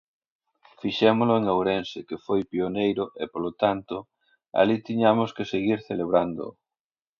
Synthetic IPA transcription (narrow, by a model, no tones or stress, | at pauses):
fiʃɛmolʊeŋawɾɛnsekefojpionejɾʊʔepolot̪ant̪ʊ | a̰lit̪iɲamoskeseɣiɾθeleβ̞ɾand̪o̰